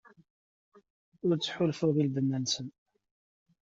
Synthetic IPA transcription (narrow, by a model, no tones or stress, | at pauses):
ʊɾt͡sːħʊlfʊðilb̪ənːænsən